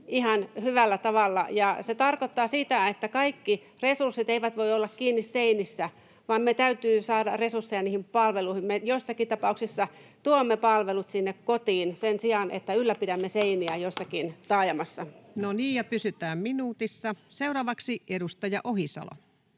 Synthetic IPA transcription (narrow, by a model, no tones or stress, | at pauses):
ihɑnhyʋælːæt̪ɑʋɑlːɑ̰jɑset̪ɑrkot̪ːɑːsit̪æet̪ːækɑikːi | resursːit̪eiʋæt̪ʋoiolːɑkkiːnːisseinisːæ | ʋɑmmet̪æyt̪yːsɑːdɑresursːejɑniːhimpɑlʋeluihimmejoisːɑkit̪ɑpɑuksisːɑt̪uomːepɑlʋelut̪sinːekkot̪iːnsensiɑnʔḛt̪ːæylːæpidæmːeseiniæjosːɑkint̪ɑːjɑmɑsːɑnoniːjɑpysyt̪æːmminuːt̪isːɑseuɾɑːʋɑksiʔedust̪ɑjɑʔohisɑ̰lo̰